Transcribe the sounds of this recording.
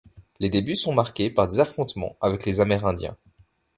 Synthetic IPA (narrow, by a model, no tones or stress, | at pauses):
led̪ebysɔ̃maʁkʲepaʁd̪ezafχɔ̃t̪mɑ̰̃avɛklezamɛʁɛ̃d̪jɛ̰̃